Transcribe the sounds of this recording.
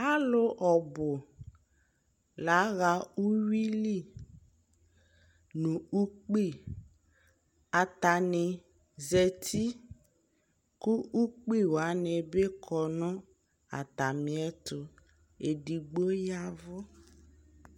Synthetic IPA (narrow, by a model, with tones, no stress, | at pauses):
a˦lʊ˦ʔɔ˨bʊ˨ | la˨˦ɣa˨u˦wi˦li˦˨ | nũ˨u˦k͡pi˦˨ | a˨t̪a˨nɪ˨ | zɛ˨t̪ʰi˦ | ku˦ʔu˦k͡pi˦wa˨˦nɛ˨be˦kʰɔ˨nʊ̃˦ | a̰˨t̪a˨mi˨ɛ˦tʊ˨ | e˨di˨ɡ͡bo˦ja˦vʊ˦